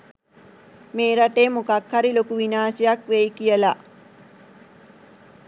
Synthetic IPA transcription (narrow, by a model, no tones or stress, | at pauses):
meːɾaʈeːmukakhaɾilokuʋinaːsejakʋejkijəla